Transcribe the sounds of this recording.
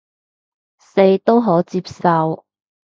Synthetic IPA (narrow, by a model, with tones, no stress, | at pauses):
se˧jt̪o˥wɦɔː˨˥t͡siː˧p̚sɐ˧w